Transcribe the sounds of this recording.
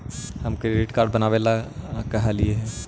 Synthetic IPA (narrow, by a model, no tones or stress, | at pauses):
həmkɾeɖɪʈkaːɾɖ̚bɐnaːʋeːlakɐɦalieɦɛː